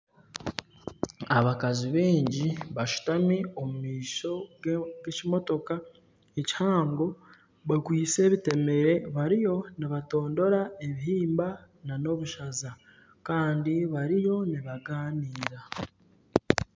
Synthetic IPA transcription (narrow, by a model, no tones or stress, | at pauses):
aβakaziβeːɲɟiβaʃu̥tamio̞mumiːʃo̞ɡɡe̞cimo̞to̞ka | eci̥haːŋɡo̞ | βaɡwiːt͡se̞ːβite̞me̞ɾe̞βaɾijo̞niβato̞ːndo̞ɾae̞βiɦiːmba | nano̞βuʃaza | kaːndiβaɾijo̞niβaɡaːniːɾa